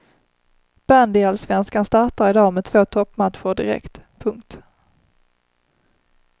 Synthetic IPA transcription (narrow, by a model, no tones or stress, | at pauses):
b̥and̪ɪalsvɛnskanst̪aʈaɾɪd̪ɑːmɛt̪ʰv̥oːt̪ʰɔpːmat̪ɧʊɖɪɾɛ̰kt̪pʰɵŋkt̪